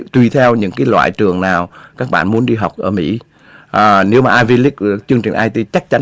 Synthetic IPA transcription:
t̪wi˨˧˩t̪ʰɛ˧wɲɨ̰˧˥ŋkaː˨˦jlwa̰ː˧˨jt͡ɕɨ˨˩əŋnaː˨˩wkaː˦˥k̚ɓa̰ː˧˨nmu˨˦ənɗi˧ɦa˨˩wk͡p̚ʔəː˧˩mḭ˧˥ | ʔːne˨˦wmaː˨˩ʔaː˧jvi˧li˦˥k̚t͡ɕɨ˧əŋt͡ɕï˨˩ʔaː˧jt̪i˧t͡ɕa˦˥k̚t͡ɕa˨˦

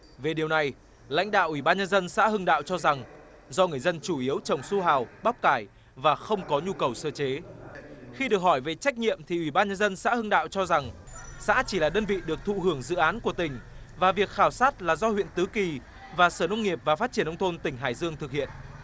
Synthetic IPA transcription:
ve˨˩ɗi˨˩əwna˨˩j | la̰˧˥jŋ̟ɗa̰ː˧˨wʔi˧˩ɓaː˧nɲə˧nzə˧nsa̰ː˧˥hɨ˧ŋɗa̰ː˧˨wt͡ɕɔ˧za˨˩ŋ | zɔ˧ŋɨ˨˩əjzə˧nt͡ɕu˧˩ʔi˨˦əwt͡ɕə˨˩wŋ͡msu˧ɦaː˨˩wɓa˦˥wk͡p̚kaː˧˩j | vaː˨˩xə˧wŋ͡mkɔ˨˦ɲu˧kə˨˩wsəː˧t͡ɕe˨˦ | xi˧ɗɨ˨˩ək̚hɔ˧˩jve˨˩t͡ɕa˦˥jk̟̚ɲḭ˧˨əmt̪ʰi˨˩ʔwi˧˩ɓaː˧nɲə˧nzə˧nsa̰ː˧˥hɨ˧ŋɗa̰ː˧˨wt͡ɕɔ˧za˨˩ŋ | sa̰ː˧˥t͡ɕi˧˩laː˨˩ɗəː˧nvḭ˧˨ɗɨ˨˩ək̚t̪ʰṵ˧˨ɦɨ˧˩əŋzɨ̰˧˨ʔaː˨˦nku˧˩ət̪ï˨˩ŋ̟vaː˨˩vi˨˩ək̚xaː˧˩wsaː˦˥t̚laː˨˩zɔ˧hwḭ˧˨ənt̪ɨ˨˦ki˨˩ | vaː˨˩səː˧˩nə˧wŋ͡mŋi˨˩əp̚vaː˨˩faː˦˥t̚t͡ɕi˧˩ənʔə˧wŋ͡mt̪ʰo˧nt̪ï˧˩ŋ̟ɦaː˧˩jzɨ˧əŋt̪ʰɨ˨˩k̚hḭ˧˨ənʔ

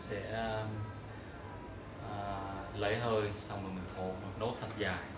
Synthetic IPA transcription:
sɛ̰˧˥ | ʔəː˨˩lə˨˦jɦəː˧˩jsa˧wŋ͡mməː˨˩jmï˨˩ŋt̪ʰo˨˩mo˨˩t̚no˨˦˥t̚t̪ʰə˨˩t̚zaː˨˩

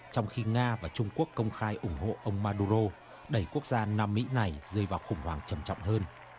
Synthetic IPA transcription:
t͡ɕɔ˧wŋ͡mxi˧ŋaː˧vaː˨˩t͡ɕʊ˧ŋ͡mku˦˥əkːə˧wŋ͡mxaː˧jʔʊ˨˧˩ŋ͡mɦo̰˧˨ʔə˧wŋ͡mmaː˧ɗu˧zo˧ | ɗə˧˩jku˦˥ək̚zaː˧na˧mːḭ˧˥na˨˩jzɨ˧jvaː˨˩wxʊ˨˩ŋ͡mhwaː˨˩ŋt͡ɕə˨˩mt͡ɕɔ̰˧˨wŋ͡mhəː˧n

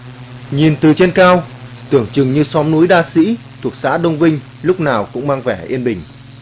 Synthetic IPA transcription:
ɲi˨˩nt̪ɨ˨˩t͡ɕe˧nkaː˧wt̪ɨ˧˩əŋt͡ɕɨ˨˩ŋɲɨ˧sɔ˨˦mnu˨˦jɗaː˧sḭ˧˥t̪ʰu˨˩ək̚sa̰ː˧˥ɗə˧wŋ͡mvï˧ŋ̟ | lʊ˦˥k͡p̚naː˨˩wkʊ̰˧˥ŋ͡mmaː˧ŋvɛ˧˩ʔi˧ənɓï˨˩ŋ̟

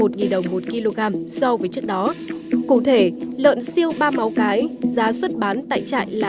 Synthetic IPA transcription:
o˨˩t̚ŋi˨˩nɗə˨˩wŋ͡mmo˨˩t̚ki˧lo˧ɣaː˧msɔ˧vəː˨˦jt͡ɕɨ˦˥k̚ɗɔ˨˦kṵ˧˨t̪ʰe˧˩lə̰ː˧˨nsi˧əwɓaː˧ma˨˦wkaː˨˦jzaː˨˦swə˦˥t̚ɓaː˨˦nt̪a̰ː˧˨jt͡ɕa̰ː˧˨jlaː˨

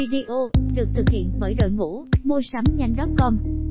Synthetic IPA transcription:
i˧ɗi˧ʔo˧ɗɨ˨˩ək̚t̪ʰɨ˨˩k̚hḭ˧˨ənvəː˧˩jɗo̰˧˨jŋṵ˧˥mo˧jsa˨˦mɲa˧jŋɗɔ˦˥p̚kɔ˧n

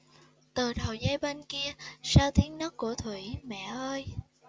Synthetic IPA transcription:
t̪ɨ˨˩t̪ʰo̰˨˩jzaː˧jɓe˧nki˧əsaː˧wt̪ʰi˨˦əŋnəː˦˥t̚ku˧˩ət̪ʰwi˧˩mɛ̰˧˨ʔəː˧j

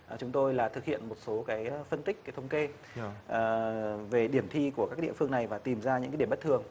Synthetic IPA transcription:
t͡ɕʊ˨˦ŋ͡mt̪o˧jlaː˨˩t̪ʰɨ˨˩k̚hḭ˧˨ənmo˨˩t̚so˨˦kaː˨˦jfə˧nt̪ï˦˥k̟̚kaː˨˦jt̪ʰə˧wŋ͡mke˧ | ʔə˨˩ve˨˩ɗi˧˩əmt̪ʰi˧ku˧˩əkaː˦˥k̚ɗḭ˧˨əfɨ˧əŋna˨˩jvaː˨˩t̪i˨˩mzaː˧ɲɨ̰˧˥ŋaː˨˦i˧˩ə˩ɓt̚t̪ʰɨ˨˩əŋ

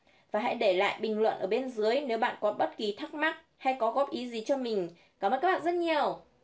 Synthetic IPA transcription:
vaː˨˩ɦa̰˧˥jɗe˧˩la̰ː˧˨jɓï˨˩ŋ̟lwə̰˧˨nʔəː˧˩ɓe˧nzɨ˨˦əjne˨˦wɓa̰ː˧˨nkɔ˨˦nɓə˦˥t̚ki˨˩t̪ʰa˦˥k̚ma˦˥t̚ | ha˧jkɔ˨˦ɣɔ˦˥p̚ʔi˨˦zi˨˩t͡ɕɔ˧mï˨˩ŋ̟ | kaː˧˩mə̰ː˨kaː˦˥ɓaː˧˨zə˦˥t̚ɲi˨˩əw

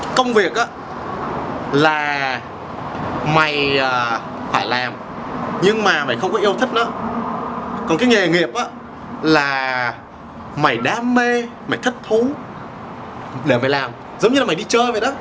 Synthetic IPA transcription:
kə˧wŋ͡mvi˨˩ək̚ʔaː˨˦ | laː˨˩ | ma˨˩jəː˨˩ | faː˧˩jlaː˨˩m | ɲɨ˧ŋmaː˨˩maː˨˩jxə˧wŋ͡mkɔ˨˦i˧əwt̪ʰi˦˥k̚nɔ˨˦ | kɔ˨˩nkaː˨˦jŋe˨˩ŋi˨˩əp̚ʔaː˧˦ | laː˨˩ | ma˨˩jɗaː˨˦me˧ | ma˨˩jt̪ʰt̚t̪ʰu˨˦ | ɗe˧˩ma˨˩jlaː˨˩m | zə˨˦wŋ͡mɲɨ˧laː˨˩ma˨˩jɗi˧t͡ɕəː˧jvə̰˧˨ɗ

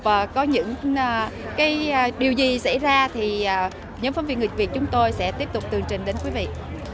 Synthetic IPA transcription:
vːkɔ˨˦ɲɨ̰˧˥ŋː˨˩ | kaː˨˦jɗi˨˩əwzi˨˩sa̰˧˥˩jzaː˧t̪ʰi˨˩ʔaː˨˩ | ɲɔ˨˦mfə˧˨˦mvi˧˩˨nŋɨ˨˩vi˨˩ət̚t͡ɕʊ˨˦ŋ͡mt̪o˧jsɛ̰˧˥t̪i˦˥əp̚t̪ʊ˨˩k͡p̚t̪ɨ˨˩əŋt͡ɕï˨˩ŋ̟ɗe˨˦nkwi˨˦vḭ˧˨

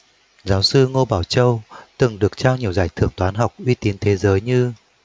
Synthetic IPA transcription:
zaː˨˦wsɨ˧ŋo˧ɓaː˧˩wt͡ɕə˧wt̪ɨ˨˩ŋɗɨ˨˩ək̚t͡ɕaː˧wɲi˨˩əwzaː˧˩jt̪ʰɨ̰˧˩əŋt̪waː˨˦nɦa˨˩wk͡p̚ʔwi˧t̪i˨˦nt̪ʰe˨˦zəː˨˦jɲɨ˧

